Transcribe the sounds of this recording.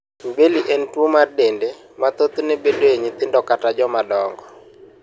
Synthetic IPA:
mbeliʔentwomardende | mat̪ot̪nebedoɲɪt̪ɪndɔkatad͡ʒɔmadɔŋɡɔ

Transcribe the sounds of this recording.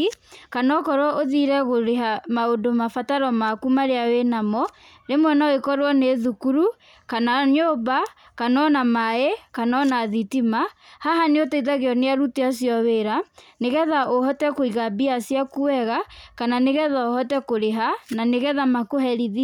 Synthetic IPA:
kanɔkɔɾwɔʔoðiɾɛɣoɾeɦamaodomafataɾɔmakumaɾeawenamɔ | ɾemwɛnaoekɔɾwɔneðukuɾu | kanaɲoba | kanɔnamaekanɔnaðitimahaɦaneotaiðaɣeɔneaɾuteasiɔweɾaneɣɛðaʔohɔtɛkoiɣabiasiakuwɛɣakananeɣɛðaohɔtɛkoɾeɦananeɣɛðamakoɦɛɾiði

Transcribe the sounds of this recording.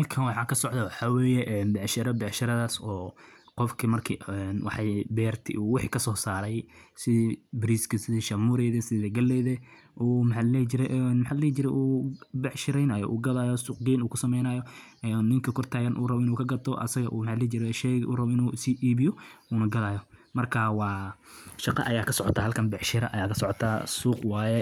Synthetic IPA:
hɐlkʰɐnwɑħɑːkʰɐsɔʕd̪ɐwɑħɑːwɛːjɛʔɛnbɑʕʃɐɾɐbɛʕʃɐɾɐðaːsɔːqɔfkʰɐmɐrkʰiɛnwɑħɑjbɛːrt̪ʰɪ̰ʔuːwɪħiːkʰɐsɔːsaːɾɛjsɪðbɪɾiskɐsɪðiʃɐmuːɾɛðɐsɪðɐɡɐlːɛːðɐ | ʔuːmħallɛːt͡ʃɪɾɛʔɛnmħallɛːt͡ʃɪɾɛʔuːbɛʕʃɪɾɛjnɐjɔ̰ʔuːɡɐðajɔsuːq̚ɡɛjnuːkʰʊsɐmɛjnɐjɔ | ɛnːɪŋkʰɐkʰɔrt̪ʰaːɣɐnʔṵːrɐβɔɪnuːkʰɐɡɐt̪ʰɔʔɐ̰sɐɣɐʔuːmħalɛːt͡ʃɪɾɛʃɛɣʔṵːrɐβɔɪnuːsiːʔiːβɪjɔuːnɐɡɐðaːjɔmɐrkʰaːwɑː | ʃɑqɑ̰ʔɐjaːkʰɐsɔʕɔt̪ʰaːhɐlkʰɐnbɛʕʃɪɾɐ̰ʔɐjaːkʰɐsɔʕɔt̪ʰaːsuːqwaːjɛ

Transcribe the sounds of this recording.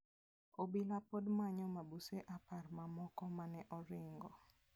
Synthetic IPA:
obilapodmaɲɔmabuseʔaparmamɔkɔmanɛʔɔɾɪŋɡɔ

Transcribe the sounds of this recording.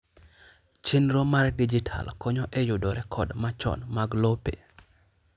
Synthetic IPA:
t͡ʃinɾomaɾdid͡ʒitʰa̰lkɔɲɔʔejʊdoɾɛkʰɔdmat͡ʃɔ̰nmaɡlopḛ

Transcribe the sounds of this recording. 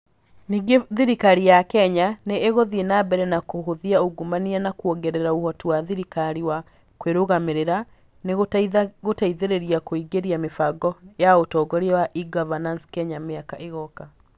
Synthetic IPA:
niːɡeðiɾikaɾijakɛɲaneːɣoðienabɛɾɛnakoɦoðiaoɡumanianakwoɡɛɾɛɾaohɔtuwaðiɾikaɾiwa | kweɾoɣameɾeɾa | neɣɣotaiðeɾeɾiakoiɡeɾiamefaɡɔjaotɔːɡɔɾewaʔiɡɔvananskɛɲameakaʔeɣɔka

